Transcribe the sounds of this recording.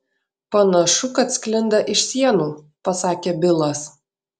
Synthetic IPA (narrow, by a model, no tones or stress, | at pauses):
pɐnɐʃʊkɐt̪sʲkʲlʲɪnd̪ɐʔɪʃsʲiɛnuː | pɐsɑːkʲeːbʲɪlˠɐs